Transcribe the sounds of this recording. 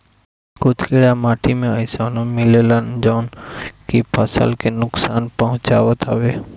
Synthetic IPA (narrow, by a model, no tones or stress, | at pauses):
kʊt̪keɽamaːʈʰimẽəɪsaːnõmɪlelənd͡ʒaːnkipʰəsə̰lkenʊksaːnpəɦʊ̃t͡ʃaːʋət̪ʰəʋeː